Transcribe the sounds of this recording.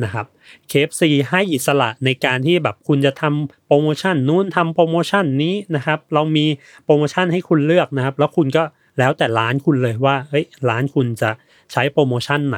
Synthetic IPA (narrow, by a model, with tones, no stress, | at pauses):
na˦˥kʰa˦˥p̚kʰeː˦˥p̚siː˨˩ɦa˥˩jʔi˨˩t̪̚sa˧la̰˨˩ʔna˧jkaː˧nt̪ʰiː˥˩bɛː˨˩p̚kʰu˧nt͡ɕa˨˩t̪ʰa˧mpɾoː˧moː˧t͡ɕʰa˥˩nːuː˦˥˩nt̪ʰa˧mpɾoː˧moː˧t͡ɕʰa˥˩nːiː˦˥na˦˥kʰa˦˥p̚ɾa˧wmiː˧ | pɾoː˧moː˧t͡ɕʰa˥˩nha˥˩jkʰu˧nlɯ˥˩ək̚na˦˥kʰa˦˥p̚lɛː˦˥wkʰu˧nkɔː˥˩ | lɛː˦˥wt̪ɛː˨˩ɾaː˦˥nkʰu˧nlɤː˧jwaː˥˩ʔɤ˦˥jɾaː˦˥nkʰu˧nt͡ɕa˨˩ | t͡ɕʰa˦˥jpɾoː˧moː˧t͡ɕʰa˥˩nːa̰˨˦